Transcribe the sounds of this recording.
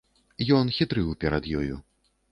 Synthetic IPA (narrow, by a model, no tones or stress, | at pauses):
jɔnxʲit̪ɾɨwpʲɛɾɐd̪jɔjṵ